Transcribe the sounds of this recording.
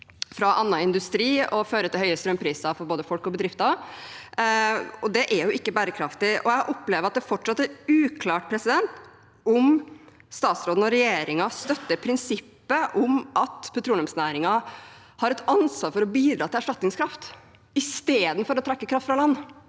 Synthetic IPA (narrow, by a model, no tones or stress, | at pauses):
fɾɑʔɑnːɑɪnd̪ʉst̪ɾiːɔføːɾət̪ɪlhœʏəst̪ɾœmpʰɾiːsɑfɔɾboːd̪əfɔlkɔbəd̪ɾɪft̪ɑ | ɔd̪ɛʔæɾjʊʔɪkːəbæːɾəkʰɾɑft̪ɪʔɔ̰jæɑʔɔpːleːʋəɾɑt̪̚d̪ɛfɔʈʂɑt̪ːɛɾʉːkʰlɑːʈ̚pʰɾɛsɪd̪ɛnt̪ | ʊm | st̪ɑːt̪sɾoːd̪n̩ɔɾɛjeːɾɪŋɑst̪œt̪ːəpʰɾɪnsɪpːəʔʊmʔɑt̪pʰʊt̪ʰɾuːlɔmsnæːɾɪŋɑ | hɑɾɛt̪ɑnsʋɑːɾfɔɾɔbiːd̪ɾɑːt̪ʰɪlæʂʈɑt̪nɪŋskʰɾɑft̪ | ɪst̪eːd̪n̩fɔɾɔt̪ʰɾɛkːəkʰɾɑft̪fɾɑlɑnː